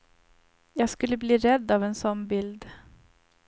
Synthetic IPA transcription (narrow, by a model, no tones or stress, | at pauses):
jɑːɡskɵlːəbliːɾɛd̪ːɑvɛnsɔnːbɪld̪